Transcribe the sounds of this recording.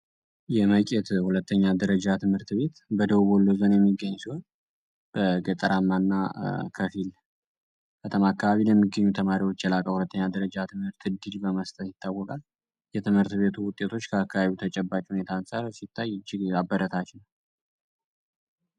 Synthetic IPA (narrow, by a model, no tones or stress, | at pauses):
jɛməkʼɛt̪hulət̪ʰːəɲːad̪əɾəd͡ʒat̪ʰɨmhɨɾt̪βe̞t̪bəd̪əβuβɔlːozonjɛmːiɡːəɲːsiho̞n | b̥əɡət̪ʼəɾamːanːakʰəfil | bʰət̪ʰəmakʰːaβaβilɛmːiɡːəɲːut̪ʰəmaɾiwo̞t͡ʃːjɛlakʼəhulət̪ːəɲːad̪əɾəd͡ʒat̪ʰɨmhɨɾt̪ɨd̪ɨd͡ʒbəməst̪ʰʼət̪jɪt̪ʰːawːɔkʼal | jɛt̪ʰɨmhɨɾt̪βe̞t̪ʰuwʊt̪ʼːe̞t̪ʰo̞t͡ʃːkʰəakʰːaβaβiut̪ʰət͡ʃʼɛbːat͡ʃʼhune̞t̪ʰansʼaɾsit̪ʰːajːɨd͡ʒːɪɡabːəɾət̪ʰat͡ʃnəw